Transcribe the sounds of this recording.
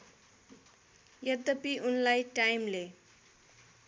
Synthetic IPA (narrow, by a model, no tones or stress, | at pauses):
jʌd̪ːʌpiunlajʈajmle